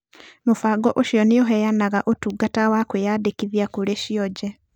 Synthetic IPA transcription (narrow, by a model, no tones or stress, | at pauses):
mofaɡɔʔoʃiɔneoɦɛjanaɣaʔotuːɡatawakwejaːdekiðiakoɾeʃiɔd͡ʒɛ